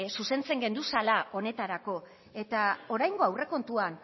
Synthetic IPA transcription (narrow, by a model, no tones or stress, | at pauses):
suse̞nt͡se̞ŋɡe̞nd̪usalao̞ne̞t̪aɾako̞ | e̞t̪ao̞ɾajŋɡo̞awre̞ko̞nt̪uan